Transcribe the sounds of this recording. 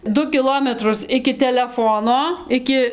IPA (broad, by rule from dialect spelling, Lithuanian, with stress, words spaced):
ˈdʊ kʲɪˈlˠoːmʲɛtrʊs ɪkʲɪ tʲɛlʲɛˈfoːnoː ˈɪkʲɪ